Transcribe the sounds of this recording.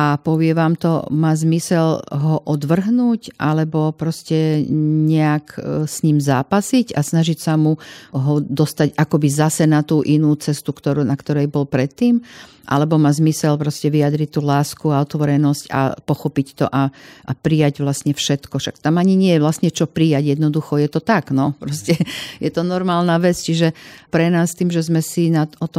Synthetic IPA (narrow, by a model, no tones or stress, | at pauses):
ʔapɔʋɪɛʋaːmt̪ɔ̰maːzmisɛʎɦɔʔɔd̪ʋr̩ɦnuːcʔalɛbɔpɾɔscɛɲɛaksɲiːmzaːpasica̰snaʒicsamuɦɔd̪ɔst̪aɟakɔbizasɛnat̪uːʔinuːt͡sɛst̪ukt̪ɔɾunakt̪ɔɾɛjbɔlpɾɛt̪ːiːm | ʔa̰lɛbɔmazmisɛlpɾɔscɛʋiad̪ɾict̪uːlaːskuaɔt̪ʋɔɾɛnɔsca̰pɔxɔpict̪ɔ̰ʔaʔapɾijaɟʋlasɲɛfʃɛt̪kɔʃak̚t̪amaɲiɲɪɛjɛʋlasɲɛt͡ʃɔpɾijaɟjɛd̪nɔd̪uxɔjɛt̪ɔt̪aɡnɔpɾɔscɛjɛt̪ɔnɔɾmaːlnaʋɛt͡st͡ʃiʒɛpɾɛnaːst̪iːmʒɛzmɛsinaɔt̪ɔ